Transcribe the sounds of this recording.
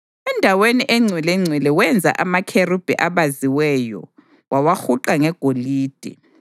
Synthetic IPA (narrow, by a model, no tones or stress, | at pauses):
ɛndʱaweniʔeŋ͡ǀʱwilɛŋ͡ǀʱwilɛwɛnd͡zʱa̰ʔamakʰerub̥ʱɛ̰ʔaβaziwɛjɔ̰ | wawaxuǃaŋɛɡ̥ʱoliːd̥ʱɛ̰